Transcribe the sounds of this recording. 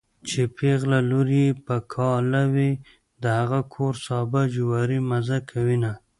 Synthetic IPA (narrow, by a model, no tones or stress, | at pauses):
t͡ʃepʰeɣlaluɾijepəkʰɑlawi | d̪əhaɣakʰoɾsɑbad͡ʒʊwɑɾimazakʰawina